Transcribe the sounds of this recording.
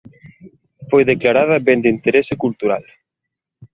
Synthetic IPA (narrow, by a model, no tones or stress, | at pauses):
fojðeklaɾað̞ɐbend̪int̪eɾɛsɪkult̪uɾa̰l